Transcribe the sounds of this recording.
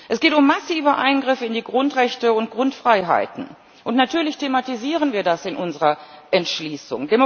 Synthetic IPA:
ʔɛsɡ̥eːtʊmːasiːvəʔa̰ɪnɡʁɪfɪndiːɡʁʊntʁɛçtəʊntɡ̥ʁʊntfʁ̥aɪɦa̰ɪtn̩ | ʔʊntnatʰyːɐlɪçtʰematiziːʁ̞ənviːɐdasɪnʔʊnzəʁɐʔɛntʃliːsʊ̰ŋdemo

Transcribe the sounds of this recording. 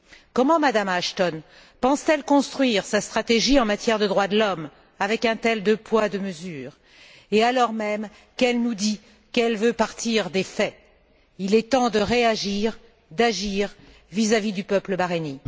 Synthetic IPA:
kɔmɑ̃mad̪amaʃt̪ɔn | pɑ̃st̪ɛlkɔ̃st̪χɥiʁsast̪χat̪eʒiɑ̃mat̪jɛʁd̪əd̪ʁwad̪əlɔm | avɛkɛ̃t̪ɛld̪əpwad̪əməzyːʁ | ealɔʁmɛm | kɛlnud̪i | kɛlvøpaʁt̪iʁd̪efɛ | ilɛt̪ɑ̃d̪əʁeaʒiʁ | d̪aʒiʁ | vizavid̪ypœpləbaʁeni

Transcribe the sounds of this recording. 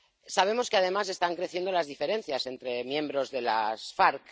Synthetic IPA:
saβ̞e̞mo̞skeað̞e̞mas̬e̞st̪aŋkɾeθjend̪o̞lazðife̞ɾe̞n̟θjase̞nt̪ɾe̞mjẽ̞mbɾo̞zðe̞la̰sfaɾk

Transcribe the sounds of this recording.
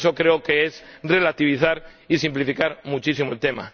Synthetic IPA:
so̞kɾeoke̞ezre̞lat̪iβ̞iθaɾisimplifikaɾmut͡ʃisimoelt̪e̞ma̰

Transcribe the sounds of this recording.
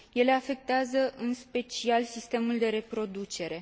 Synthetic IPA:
je̞le̞afe̞k̚t̪eazəɨnspe̞t͡ʃialsist̪e̞muld̪e̞ɾe̞pɾo̞d̪ut͡ʃe̞ɾe̞

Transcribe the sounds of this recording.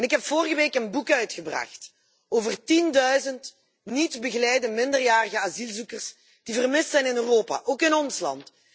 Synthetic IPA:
ɛnɪkɦɛpfoːrɣəʋeːkənbukœɥtxəbrɑ̰xt | oːvərtindœɥzənt | nitbəɣəlɛjdəmɪndərjaːrəɣəazilˠzukərs | d̥ivərmɪstsɛjnɪnøːroːpa̰ʔoːkɪnɔnslɑ̰nt

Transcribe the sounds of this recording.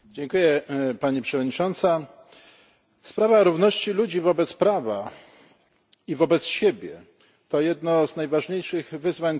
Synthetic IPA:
d͡ʑeŋkujɛpaɲipʂɛvɔd̪ɲit͡ʂɔnt̪sa | spɾavaɾuvnɔɕt͡ɕilud͡ʑivɔbɛt̪spɾava | ivɔbɛt̪sɕebʲjɛ | t̪ɔjɛd̪nɔznajvaʐɲejʂɘɣvɘzvaɲ

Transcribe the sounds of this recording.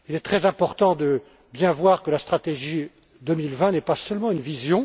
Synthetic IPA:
ilɛt̪χɛzɛ̃pɔʁt̪ɑ̃d̪ə | bjɛ̃vwaʁkəlast̪χat̪eʒi | d̪əmilvɛ̃nɛpasœlmɑ̃ynvizjɔ̃

